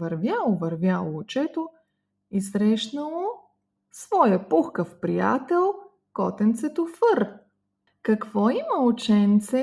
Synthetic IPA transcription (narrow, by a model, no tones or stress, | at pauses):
vɐɾvʲjalˠovɐɾvʲjalˠoːt͡ʃɛt̪o | isɾɛʃnəlˠo | svɔjəpuxkəfpɾija̰t̪ɛlˠ | kɔt̪ɛnt̪sɛt̪ofəɾ | kɐkvɔimɐot͡ʃɛnt̪sɛ